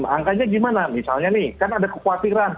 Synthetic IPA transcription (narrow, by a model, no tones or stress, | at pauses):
a̰ŋkaɲaɡimanamisalɲanɪhkanadakəkuat̪iɾan